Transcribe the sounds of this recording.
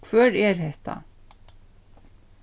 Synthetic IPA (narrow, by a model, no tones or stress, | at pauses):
kʰvœːɾɛɾ̥hɛht̪a̰